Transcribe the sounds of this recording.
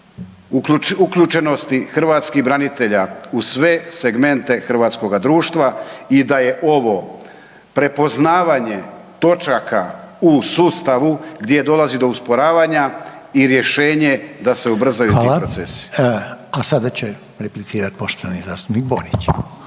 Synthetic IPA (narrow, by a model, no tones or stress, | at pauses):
uklʎut͡ʃe̞no̞st̪ixr̩ʋat̪skiɦbɾanit̪e̞ʎausʋe̞se̞ɡme̞nt̪e̞xr̩ʋaːt̪sko̞ɡad̪ɾuːʃt̪ʋaid̪aje̞ʔo̞ʋo̞ | pɾe̞po̞znaːʋaɲe̞ | t̪o̞t͡ʃakausuːst̪aʋuɡd̪je̞d̪o̞lazid̪o̞uspo̞ɾaːʋaɲa | iɾje̞ʃe̞ːɲe̞d̪ase̞ubr̩zajut̪ːilapɾot̪sesi̥asad̪at͡ɕe | ɾeplit̪siːɾat̪̚po̞ʃt̪oʋanizaːst̪upnik̚bo̰ɾit͡ɕ